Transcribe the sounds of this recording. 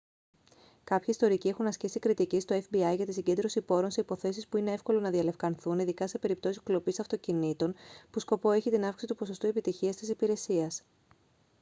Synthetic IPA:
kɐpçiist̪o̞ɾicie̞xunɐscisikɾit̪icist̪o̞efbiɐjʝɐt̪isiɲɟe̞nd̪ɾo̞sipo̞ɾo̞nseipo̞θe̞sispuine̞e̞fko̞lo̞nɐðiɐle̞fkɐnθuniðikɐse̞pe̞ɾip̚t̪o̞sisklo̞pisɐft̪o̞cinit̪o̞npusko̞po̞e̞çit̪inɐfkisit̪u̥po̞so̞st̪uepit̪içiɐst̪isipiɾe̞siɐs

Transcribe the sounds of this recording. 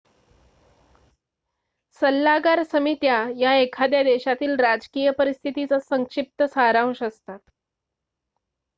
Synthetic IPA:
səlːaɡaɾsəmit̪jajaekʰad̪jad̪eɕat̪iːlɾad͡zkijəpəɾist̪ʰit̪it͡sasəŋkʂip̚t̪əsaɾaʋʂəst̪at̪

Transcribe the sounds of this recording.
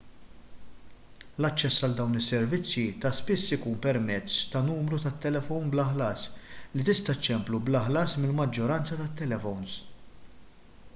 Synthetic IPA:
lɐt͡ʃːɛsːɐld̪ɐwnɪsːɛɾvɪt͡sːjit̪ɐspɪsːɪkuːnpɛɾmɛt͡sːt̪ɐnuːmɾut̪ɐt̪ːɛlɛfɔwnblɐħlɐːslit̪ɪst̪ɐt͡ʃːɛmplublɐħlɐːsmɪlmɐd͡ʒːɔɾɐnt͡sɐt̪ɐt̪ːɛlɛfɔwns

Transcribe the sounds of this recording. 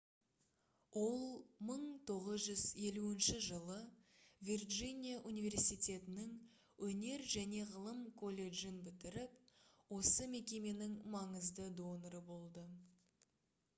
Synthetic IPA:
wʔo̞lˠməɴt̪ʰo̞ʁəzʒʏze̞luɪnʃɪʒəlˠəvʲirʒinʲijaʔunijvʲe̞rsijt̪e̞t̪ɪnɪŋ | wɵne̞ɾʒæne̞ʁəlˠəmkʰo̞lʲe̞ʒɪnbɪt̪ɪɾɪp̚wo̞səme̞kʲe̞me̞nɪŋmɑɴəzd̪əd̪o̞nɾəbo̞lˠd̪ə

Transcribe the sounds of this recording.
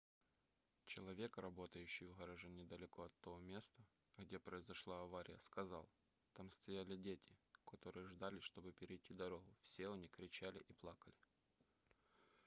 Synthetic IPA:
t͡ɕɪlˠɐvʲe̞krɐbo̞t̪əjʉɕːɪjvɣɐɾɐʐɛnʲɪd̪əlʲɪko̞ɐt̪ːɐvomʲe̞st̪ə | ɣdʲe̞pɾəɪzɐʂlˠaɐvaɾʲʔɪ̰jəskɐzɑlˠ | t̪amst̪ɐjalʲɪdʲetʲɪkɐt̪o̞ɾɨjəʐd̪alʲɪʂt̪o̞bɨpʲɪɾʲɪjtʲːid̪ɐɾo̞ɣʊfsʲe̞ʊnʲikɾʲɪt͡ɕælʲɪ̰ʔiplˠakəlʲɪ

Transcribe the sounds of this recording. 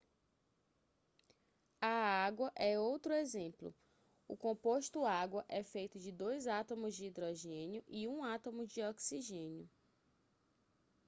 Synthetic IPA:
ɐaɡwɐʔɛowt̪ɾʊezẽplʊ̰ | ʊkõpoʃt̪ʊaɡwɐʔɛfejt̪ʊd͡ʒɪd̪ojzat̪õmʊzd͡ʒiid̪ɾɔʒẽnjʊʔiũat̪õmʊd͡ʒɪɔksiʒẽnjʊ

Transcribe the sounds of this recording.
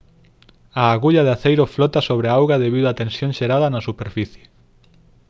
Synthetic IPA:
aːɣuʎaðeaθejɾoflɔt̪asoβɾeawɣaðeβiðʊat̪ẽnsjõŋʃeɾaðɐnɐsupeɾfiθje̥

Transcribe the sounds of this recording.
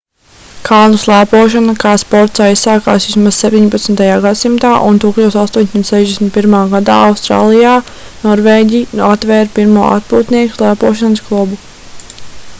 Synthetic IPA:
kʰalˠnuslˠæːpuɔʃanakaːspɔɾt̪saissaːka̰ːsvismaz̥sep̚t̪iɲpat̪snt̪ajaːɡad̪simt̪aːʔunt̪uklʲusast̪uɔɲʲsʲimt̪sɛʒd̪ʲesmit̪̚piɾmaːɡad̪a̰ːawst̪ɾa̰ːlˠijaː | nɔɾvɛːɟʲijat̪vɛːɾpiɾmuɔʔa̰t̪̚puːt̪niɛku̥slˠæːpuːʃanəsklˠubu

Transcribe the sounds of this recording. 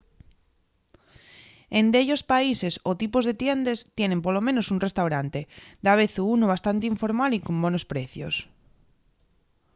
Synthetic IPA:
end̪eʎospaisesot̪ipozðet̪jend̪est̪jenẽmpolomẽnosunrest̪awɾant̪ed̪aβeθuunoβ̞ast̪ant̪eiɱfoɾmalikombonospɾeθjo̰s

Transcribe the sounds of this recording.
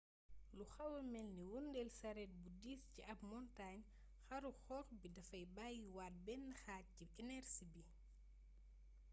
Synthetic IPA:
luxɐwɐmɛlniwundɛlsɐɾɛt̚budiːsciʔɐp̚mɔntaːɲ | xɐɾuxɔːxbidɐfɐjbaːjiwaːt̚bɛnːɐxaːt̚ciɛnɛɾsibi

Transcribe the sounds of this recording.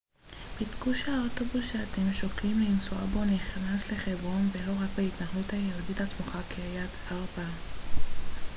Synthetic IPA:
pit̪kuʃeaoto̞busʃeat̪emʃoklimleinsua̰bo̞niχnasle̞χebʁo̞nve̞lo̞ʁakbeit̪naχluthajeladitatmuχakeajat̪ | aʁba

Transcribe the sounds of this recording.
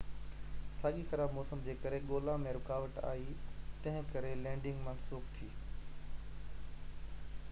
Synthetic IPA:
saːɠisɐɾamɔːsəmd͡ʑeːkɐɾeɠoːlamẽɾʊkaːʋəʈ̪a̰ːit̪ɐ̃ɦɪ̃kɐɾelɛ̃ːɳɖɪ̃ŋɡmãːnsoːkt̪ʰiː

